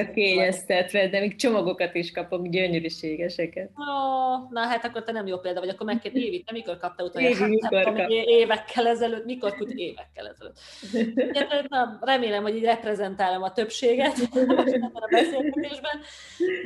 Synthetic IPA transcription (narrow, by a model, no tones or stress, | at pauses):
keːɲɛst̪ɛt̪ʋɛd̪ɛmiːk̚t͡ʃo̞moɡokɒt̪iʃkɒpo̞ɡɟøɲøɾyʃeːɡɛʃɛkɛt̪onɒɦat̪ɒkːo̞rt̪ɛnɛmjoːpeːld̪ɒvɒɟɒkːo̞rmɛkːeːreːvit̪ːɛmiko̞rkɒp̚t̪ɛut̪oiomeeːvɛkʰːɛlɛzɛløːt̪miko̞rkut̪eːvɛkːɛ̰lɛ̰zɛlø̰ːt̪ː | ɛt̪nɒrɛmeːlɛmhoɟiːɟrɛprɛzɛnt̪aːlomɒt̪ø̞pʃeːɡɛt̪ɛbːɛnɒbɛseːlɡɛt̪eːʒbɛn